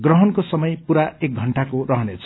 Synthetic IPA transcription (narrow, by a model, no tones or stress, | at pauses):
ɡrʌɦʌnkosʌmʌjpuɾaek̚ɡʱʌɳʈakorʌɦʌnet͡sʰʌ̥